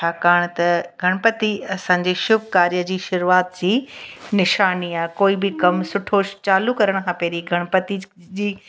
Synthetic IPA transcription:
t͡ɕʰaːkaːɽ̃t̪ɐɡʱɐɽ̃pət̪iɐsãːɲd͡ʑeːʃʊb̚ʱkaːɾijəd͡ʑiːʃʊɾuaːt̪̚d͡ʑiːnɪʃaːniaːɦkoːibɪkɐmsʊʈʰot͡ɕaːlukɐɾəɽ̃kʰãːpeːɾiɡʱɐɽ̃pɐt̪id͡ʑiː

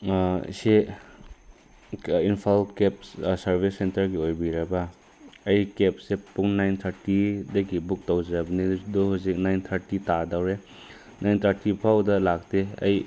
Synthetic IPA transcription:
se | inpʰalkep̚ssɐɾbʱisentɐɾɡiojbiɾɐbɐ | ɐjkep̚sepuŋnajnt̪ʰɐɾtidɐɡibuk̚tɐwzɾɐbɐniduhusik̚najnt̪ʰɐɾtitadawɾe | nʔajnt̪ʰɐɾtipʰawdɐlak̚teɐ̰j

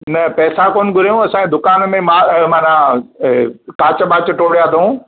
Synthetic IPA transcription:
nɐpɛːsakoːn̆ɡʱʊɾijũɐsãːẽd̪ʊkaːnmẽmaːmaːna | kaːt͡ɕəɓaːt͡ɕəʈoːɽjat̪ʰɐũ

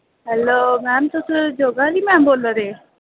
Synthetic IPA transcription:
ɦɛlomɛːmt̪osəd͡ʒoɡalimɛːmboːləɾe

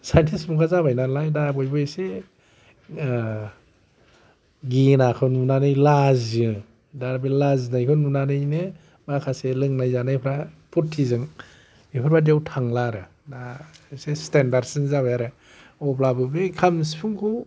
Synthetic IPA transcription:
sajntʰismukʰazabajnalajdabɔjbɯse | ɡinakʰɯnunanɯjlazɯ | daɾbelaznajkʰɯnunanɯjne | makʰaselɯŋnajzanapʰɾapʰutʰːizɯŋ | ipʰaɾbadiawtʰaŋlaɾɯ | dasestendaɾsinzaβajaɾɯ | ɔblabɯbɯkʰamsipʰuŋkʰu

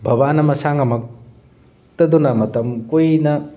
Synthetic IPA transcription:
bʱɐbanɐmɐsaŋɐmɐk̚ | t̪ɐd̪unɐmɐt̪ɐmkojnɐ

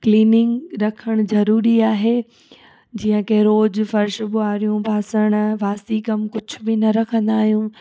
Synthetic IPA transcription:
kliːnɪ̃ŋɡɾɐkʰəɽ̃ʊzɐɾuːɾiaːɦe | d͡ʑiːə̃kɐɦɾoːd͡ʑfɐɾʃbʊaːɾijũbʱaːsəɽ̃ʋaːsikɐmkʊd͡ʑʱʊ̆bɪnɐɾɐkʰə̃nd̪aːɦijũ

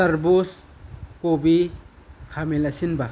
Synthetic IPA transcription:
sɐɾbuskobi | kʰamilɐsinbɐ

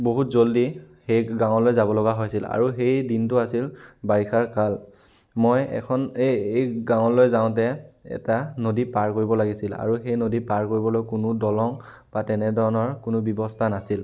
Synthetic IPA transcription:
boɦutzoldi | xejɡãw̃ɔlojzabɔlɔɡaɦojsila̰ɹuxejdintʊasilbaɹixʰaɹkal | mojɛ̰kʰɔneejɡawɔlojzaʊ̃t̬ɛɛ̰tanodipaɹkoɹibɔlaɡisila̰ɹuxejnodipaɹkoɹibɔlojkʊnʊdɔlɔŋ | b̥atɛnɛdʱɔɹɔnɔɹkʊnʊbɔbɔstʰanasil

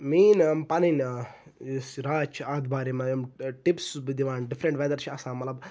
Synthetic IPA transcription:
miːnɐmpɐnina | sɾaːt͡ʃʰaːd̪baːɾimɐɐmʈipsbɨd̪iʋaːnɖifʰɾeɳʈʋed̪ɐɾt͡ʃʰɐsãːmɐt̪lɐb

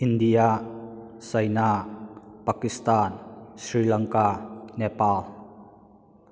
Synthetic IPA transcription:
ʔindia | sajna | pakist̪ansrilaŋkanɛpal

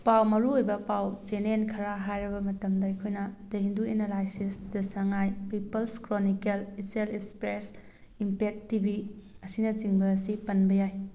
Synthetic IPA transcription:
pawmɐɾuojbɐpawt͡ʃenenkʰɐɾaɦajɾɐbɐmɐtɐmdɐjkʰojnɐdɐɦinduenalajsisdɐsɐŋajpipɐlskɾonikeliselekspɾes | impek̚tibi | ɐsinɐt͡ʃiŋbɐːsipɐnbɐjaj

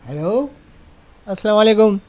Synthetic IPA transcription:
heloː | ɐsːɐlaːmaleːkum

